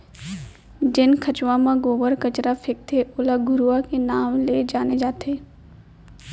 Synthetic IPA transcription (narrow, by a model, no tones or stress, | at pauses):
d͡ʒɪnkʰɐt͡ʃʋãmãɡoːʋəɾkɐt͡ʃɾafʰɪk̚t̪ʰeʔʊlaɡʱʊɾuakenaːmled͡ʒaːned͡ʒaːt̪ʰeː